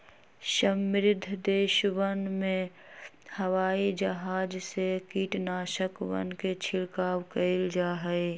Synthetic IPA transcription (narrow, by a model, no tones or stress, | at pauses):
ʃəmːɪɾɪd̪ʱd̪eːʃʋənmẽ | həʋaːid͡ʒəɦaːd͡ʒsekiːʈnaːʃəkʋə̰nket͡ʃʰɪlkaːwkəld͡ʒaːɦɛe